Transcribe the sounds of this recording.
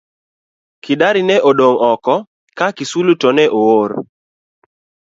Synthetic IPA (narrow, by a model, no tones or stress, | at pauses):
kɪdaɾɪnɛʔodoŋɔkɔ | kakisulutɔnɛʔowoɾ